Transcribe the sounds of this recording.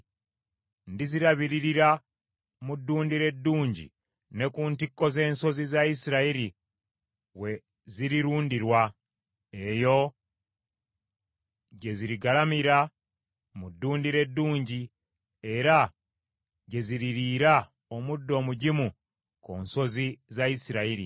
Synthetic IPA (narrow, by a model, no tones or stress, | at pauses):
ndiziɾaβiɾiɾiɾa | mudːuːndiɾe̞dːuːɲɟḭ | ne̞kuːntikːo̞ze̞ːnso̞zizaisiɾaiɾi | we̞ | ziɾiɾuːndiɾwa | e̞jo̞ | ɟe̞ziɾiɡalamiɾa | mudːuːndiɾe̞dːuːɲɟi | e̞ɾa | ɟe̞ziɾiɾiːɾa | omudːo̞ːmuɟimu | ko̞ːnso̞zizaisiɾaiɾḭ